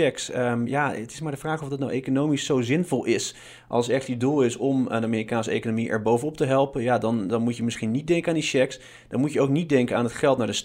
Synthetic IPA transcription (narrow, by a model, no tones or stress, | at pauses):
ɛksəjaətɪ̥smaːɹdəvraːχɔfdɑt̚nawejkonowmisːowzɪnvɔlˠɪs | ʔɑ̰lˠsɛχtidulˠɪsɔmdəamiːrikaːnsəḛjkonomiʔɛ̰ɹbowvənɔp̚təɦɛlˠpənjadɑndɑnmutjəmɪsχinit̚dɛŋkəaːndiʃɛks | d̥ɑnmutjəowknit̚dɛŋkəaːnətχɛlˠtnaːɹdəs